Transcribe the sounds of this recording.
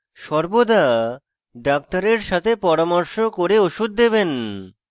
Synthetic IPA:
ʃɔɾbod̪a | ɖak̚t̪aɾeɾʃat̪ʰepɔɾamɔɾʃokoɾeoʃud̪̚ːeben

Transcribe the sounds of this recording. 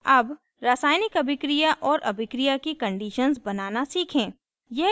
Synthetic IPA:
ɐb | ɾəsaːɪnɪkɐbʱɪkɾijaʔɔːɾʔɐ̰bʱɪkɾijakikɐ̃ɳɖiːʃənzbɐnaːnasiːkʰẽː | jɛ

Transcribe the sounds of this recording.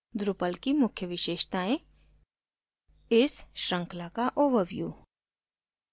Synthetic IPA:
d̪ɾʊpəlkimʊkʰjəʋɪʃeːʃt̪aːẽ | ɪsʃɾə̃ŋklakaʔobəʋjṵː

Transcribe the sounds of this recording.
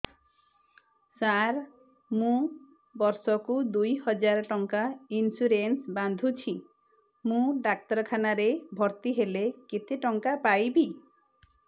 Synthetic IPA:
saɾ | mũ | bɔɾsɔkud̪ujhɔd͡ʒaɾɔʈɔŋkainsuɾensband̪ʱut͡ʃʰi | mũɖak̚tɔɾɔkʰanaɾebʱɔɾt̪iɦeleket̪eʈɔŋkapajbi

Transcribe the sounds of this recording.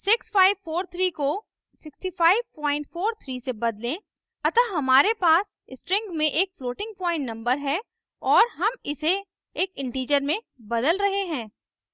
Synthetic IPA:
sɪksfaːɪʋfoːɾt̪ʰɾiːko | sɪksʈifaːɪʋpɔ̃ːɪ̃ɳʈfoːɾt̪ʰɾiːsebɐd̪lẽ | ɐt̪aɦɐmaːɾepaːsɪsʈɾɪ̃ŋɡmẽʔeːkfloːʈɪ̃ŋɡ̚pɔːɪ̃ɳʈnɐ̃mbəɾɦɛ | ɔːɾɦɐmɪse | eːkɪ̃ɳʈiːd͡ʒəɾmẽ | bɐd̪əlɾɐɦeɦɛ̃ː

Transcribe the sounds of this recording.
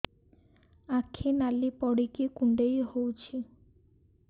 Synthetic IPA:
akʰinalipɔɽikikuɳɖejhowt͡ʃʰi

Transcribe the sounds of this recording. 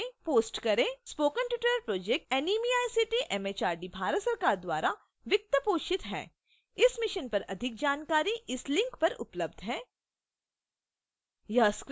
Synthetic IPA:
poːsʈkɐɾẽːspoːkənʈɪʈəɾəɾpɾoːd͡ʒek̚ʈɛniːmiaːjsiʈiʔɛmeːt͡ʃaːɾɖibʱaːɾət̪sɐɾkaːɾd̪wa̰ːɾa | ʋɪk̚t̪əpoːt͡ʃɪt̪ɦɛ̰ː | ɪsmɪʃənpɐɾɐd̪ʱɪk̚d͡ʒaːnkaːɾiʔɪslɪ̃ŋkpɐɾʊ̰pləb̚d̪ʱɦɛ̃ː | jɐɦsk

